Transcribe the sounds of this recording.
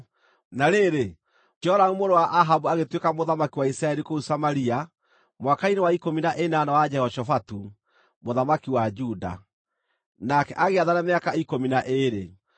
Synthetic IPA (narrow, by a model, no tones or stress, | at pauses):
naɾeɾe | d͡ʒɔɾanumoɾowaʔaɦabuaɣetwekamoðamakiwaisɾaɛɾikousamaɾia | mwakainewaikominaʔenanawad͡ʒɛhɔʃɔfatu | moðamakiwad͡ʒuda̰ | nakɛʔaɣeaðanameakaikominaʔeɾe